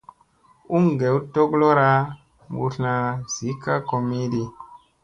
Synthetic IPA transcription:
u˦ŋɡe˨˦wto˦klo˦ɾa˦ | mbu˨ɬna˨z̥i˨˦ka˦ko˨mi˦di˦

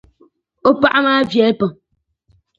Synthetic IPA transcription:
o˦pa˦ʔa˦ma˦vjɛ˨˦pə˨

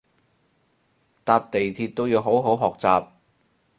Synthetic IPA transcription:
t̪aː˧p̚t̪e˨jt̪ʰiː˧t̚t̪o˥wjiː˨˧wɦo˨˥wɦo˨˥wɦɔː˨k̚t͡saː˨p̚

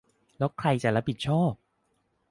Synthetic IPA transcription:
lɛː˦˥wkʰɾa˧jt͡ɕa˨˩ɾa˦˥pʰi˨˩t̪̚t͡ɕʰɔː˥˩p̚

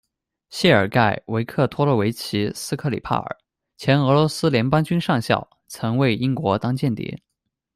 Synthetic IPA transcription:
ɕɛ˥˩ə˞˨˩ka˥˩ɪwe˧˥ɪkʰɤ˥˩t̪ʰwɔ˥lə˥˩we˧˥ɪt͡ɕʰi˧˥sɹ̩˥kʰɤ˥˩lḭ˨˩pʰa̰˥˩ə̰˞˨˩˦ | t͡ɕʰjɛ˧˥nɤ˧˥lwɔ˧˥sɹ̩˥ljɛ˧˥npɑ˥ŋt͡ɕy˥nʂɑ˥˧ŋɕjɑ̰˥˩ʊ | t͡sʰɤ˧˥ŋwe˥˩ɪi˥ŋkwɔ˧˥t̪ɑ˥ŋt͡ɕjɛ˥˩nt̪jɛ̰˧˥˦

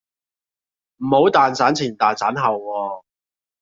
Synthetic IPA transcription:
m̩˨˩ho˨˥wt̪aː˨nt͡saː˨˥nt͡sʰiː˨˩nt̪aː˨nt͡saː˨˥nɦɐ˨wwɔː˧

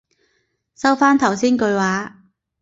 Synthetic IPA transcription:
sɐ˥wfaː˥nt̪ʰɐ˨˩wsiː˥nkɵ˧ɥwaː˨˧˥

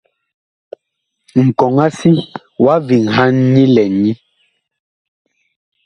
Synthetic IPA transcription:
ŋ̩˨kɔ˨ŋa˦si˦ | wa˦vi˨ŋɦa˦n̩˦ɲi˦lɛ˨ni˦

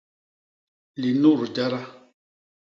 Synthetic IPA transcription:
li˨nu˦˨ɾd͡ʒa˦ɾa˦

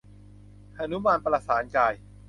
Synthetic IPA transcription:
ʔa˧nu˦˥maː˧npɾa˧saː˩˦nkaː˧j

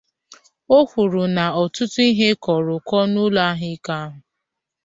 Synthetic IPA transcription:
o˦kʷu˨ɾu˨na˨ɔ˨tʊ˦tu˦i˦ɦe˦kɔ˨ɾʊ˨kɔ˦nu˦la˦a˦ɦɪ˦ka˦a˦ɦʊ˨

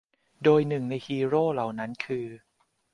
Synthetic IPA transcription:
doː˧jnɯ˨˩ŋna˧jhiː˧ɾoː˥˩la˨˩wna˦˥nkʰɯː˧

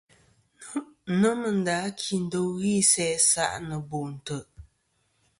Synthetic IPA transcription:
nə˦mɨ˨n̩˨da˨˦kʰi˨n̩˨˦do˦wɣi˦˨sɛ˦sa̰˦˨ʔnə˨bo˨ʔn̩˨tə˨ʔ

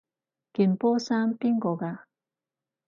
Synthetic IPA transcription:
ki˨˩npɔː˦˥saː˥mpi˥ŋkɔ˧ka˧

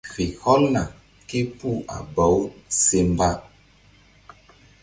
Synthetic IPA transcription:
kɾi˨hɔ˦lna˨ | ke˦pu˦˨a̰˨bɔ˨˦wse˦mba˦

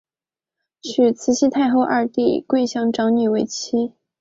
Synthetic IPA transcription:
t͡ɕʰy˨˩t͡sʰɹ̩˧˥ɕʰi˥t̪ʰa˥˧ɪxo˥˧ʊʔa˞˥˧t̪ḭ˥˧kwe˥˧ɪɕjɑ˥˩ŋʈ͡ʂɑ˧˥ŋny˨˩we˥˩ɪt͡ɕʰi˥

